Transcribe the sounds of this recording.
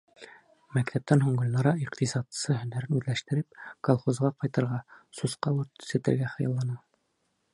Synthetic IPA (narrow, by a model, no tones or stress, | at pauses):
mækt̪ʰæp̚t̪ænɦuɴɡɤ̆lʲnɑɾɑiqt̪isɑt̪sɤɦɵ̆næɾɘnʉðlæʃt̪ɘ̆ɾɘp̚kolˠχozʁɑqɑjt̪ɤ̆ɾʁɑsusqɑʉɾt̪sɘ̆t̪ɘ̆ɾɡæχɤ̆jɑlˠːɑnɑ